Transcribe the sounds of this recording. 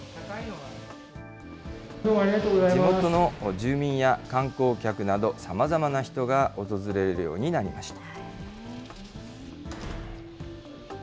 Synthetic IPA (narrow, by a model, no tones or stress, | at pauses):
ainoa | d̪omoaɾʲiɡat̪oːɡozaiimo̞t̪o̞no̞ʑɨːmʲĩɰ̃jakãŋko̞ːkʲakɯ̟nad̪o̞samazamanaçi̥t̪o̞ɡaʔo̞t̪o̞zɨɾe̞ɾeɾɯ̟jo̞̰ːɲ̟inaɾʲimaɕi̥t̪ḁ